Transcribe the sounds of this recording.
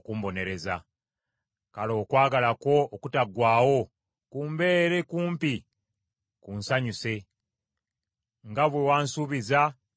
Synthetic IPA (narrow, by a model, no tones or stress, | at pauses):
kumbo̞ne̞ɾe̞za̰ | kalo̞ːkwaːɡalako̞ːkutaɡwaːwo̞ | kuːmbe̞ːɾe̞kuːmpi | kunsaɲuse̞ | ŋɡaβwewaːnsuβiza